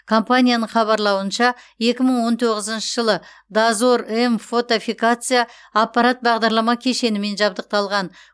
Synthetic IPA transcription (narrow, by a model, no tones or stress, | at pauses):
kʰo̞mpanʲijanəɴχɑβɑɾlˠɑwənʃɑ | je̞kʲɪməɴwo̞nt̪ʰo̞ʁəzənʃəʒəlˠə | d̪azoɾemfo̞t̪ofijkat̪sɨjaː | pːɑɾat̪̚bɑʁd̪ɑɾlˠɑmɑkʲʰe̞ʃe̞nɪme̞nʒɑb̚d̪əq̚t̪ɑlˠʁɑn